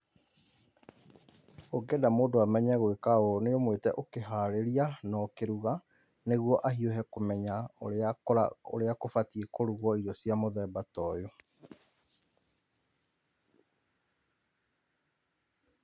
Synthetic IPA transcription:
oɡɛdamoːdoamɛɲɛɣwekaooneomwetɛʔokeɦaɾeɾianɔkeɾuɣa | neɣwɔʔahiohɛkomɛɲaoaao̰ɾeakofatiekoɾuɣwɔiɾɔsjamoðɛbatɔjo

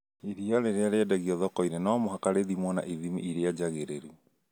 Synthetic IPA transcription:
iɾiaɾeɾeaɾeɛdaɣiɔðɔkɔinenɔmoɦakaɾeðimwɔna̰ʔiðimḭʔiɾead͡ʒaɣeɾeɾu

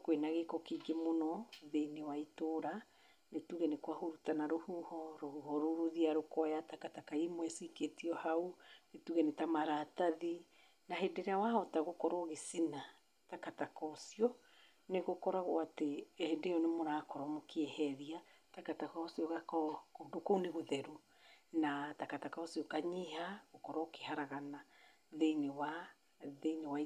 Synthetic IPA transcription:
kwenaɣekɔkiɡemonɔðeinewaitoɾa | netuɣɛnekwahoɾutanaɾohuhɔɾohuhɔɾoɾuðiaɾokɔjatakatakaimwɛsiketiɔhaunetuɣɛnetamaɾataði | naɦedeɾeawaɔtaɣokɔɾɔɣesina | takatakɔsiɔ | neɣokɔɾaɣwatehendejɔnemoɾakɔɾɔmokeɛhɛɾia | takatakasiɔɣakɔkodokouneɣoðɛɾu | natakatakaɔsiɔkaɲihaɣokɔɾɔokehaɾaɣana | ðeinewa | ðeinewa

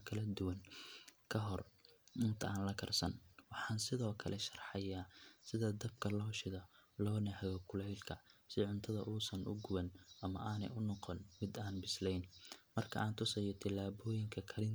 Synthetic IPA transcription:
kʰɐlɐd̪ʊwɐŋkʰɐɦɔrɪnt̪ʰɐaːnlɐkʰɐrsɐ̰nwɑħɑːnsɪðɔːkʰɐ̰lʔɛʃɐrħɐjaːsɪðɐd̪ɐb̚kʰɐlɔːʃɪðɐlɔːnɐhɐɣɔkʰʊlɛjlkʰɐsɪʕʊnt̪ʰɐðɐ̰ʔuːsɐnʔʊ̰ɡʊwɐnʔɐmɐʔaːnɛ̰jʊnɔqɔnmɪd̪aːnbɪslɛjnmɐrkʰɐ̰ʔaːnt̪ʰʊsɛjɔt̪ʰɪlːaːβɔːjɪŋkʰɐkʰɐlɪn

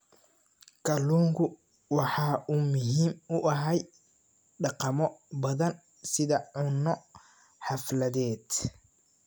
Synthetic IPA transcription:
kʰɐluːŋɡʰʊ | wɑħɑːʔumʊɦiːmʊʔɐɦɛj | ɖɑqɑmɔbɐðɐn | sɪðɐʕʊnɔ | ħɑflɐðɛːd̪

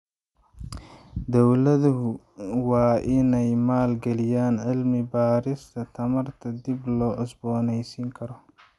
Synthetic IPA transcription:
d̪ɔwlɐðʊɦʊ | wɑːʔɪnɛjmaːlɡɛlɪjaːnʕɪlmɪbaːɾɪst̪ʰɐt̪ʰɐmɐrt̪ʰɐd̪iblɔːʕʊsbɔːnɛjsiːŋkʰɐɾɔ

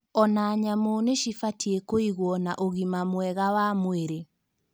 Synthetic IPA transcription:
ɔnaɲamoneʃifatiekoiɣwɔnaʔoɣimamwɛɣawamweɾe

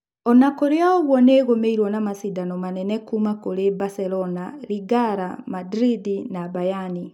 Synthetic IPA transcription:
ɔnakoɾeaoɣwɔneːɣomeiɾwɔnamasidanɔmanɛnɛkumakoɾebasɛlɔnaɾiɡaɾamadɾidinabajani

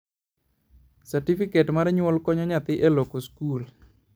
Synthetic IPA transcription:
saɾtifiketmaɾɛɲwɔlkɔɲɔɲat̪ɪʔelokoskul

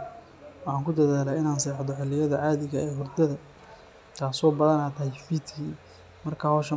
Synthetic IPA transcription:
wɑħaːŋkʰʊd̪ɐðaːlaːɪnaːnsɛːħd̪ɔħɪlɪjɐðɐʕaːðɪɣɐɛːhʊrd̪ɐðɐ | t̪ʰaːsɔːbɐðɐnɐt̪ʰɐhjfit̪kʰiː | mɐrkʰahɔːʃɐ

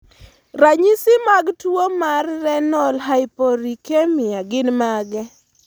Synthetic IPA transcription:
raɲisɪmaɡtuomarːɛnɔlɦaɪpoɾikemɪaɡɪnmaɡɛ

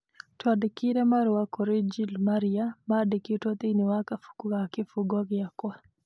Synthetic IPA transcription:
twadikiɾɛmaɾwakɔɾid͡ʒilmaɾijamadikitot̪ʼiniwakafu̥kuɡakifuɡɔɡijakɔa

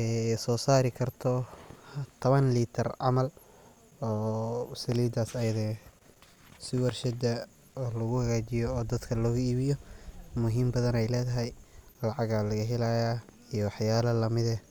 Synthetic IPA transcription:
ɛsɔːsaːɾɪkʰɐrt̪ʰɔ | t̪ʰɐβɐnliːt̪ʰɐrɑ̰mɐl | ɔːsɐliːd̪aːsɐjɐðɛː | sɪwɛrʃɛd̪ɐ | ɔːlɐɣʊhɐɣaːt͡ʃɪjɔɔːd̪ɐd̪kʰɐlɔːɣʊiːβɪjɔmʊɦiːmbɐðɐnɛjlɛːðɐɦɛjlɐʕɑɣaːlɐɣɐɦɪlaja | ijɔwɑħjaːlɐlɐmɪðɛ

